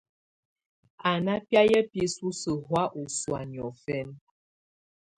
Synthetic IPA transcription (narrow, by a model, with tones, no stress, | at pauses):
a˨na˦pja˦jə˦pi˦su˦sə˨ɦwa˦ʔu˨swa˨njɔ˨fɛ˦n